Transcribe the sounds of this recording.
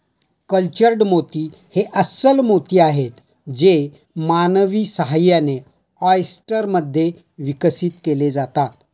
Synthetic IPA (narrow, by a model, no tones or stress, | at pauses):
kəlt͡ɕəɾɖmot̪iː | heʔəsəlmot̪iːaɦet̪ | d͡ze | manəʋiːsəɦajane | ɔjsʈəɾməd̪ʱːje | ʋikəsiːt̪keled͡zat̪at̪